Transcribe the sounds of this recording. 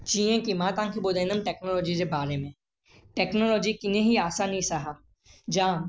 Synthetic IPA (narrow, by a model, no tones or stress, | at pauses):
t͡ʃiːẽkimãːt̪ãːŋkʰebod̪eːnəmʈɛːknoːlɔːd͡ʒid͡ʒebaːɾemẽ | ʈɛːknoːlɔːd͡ʒikɪnẽɦiaːsanisaɦaː | d͡ʒãː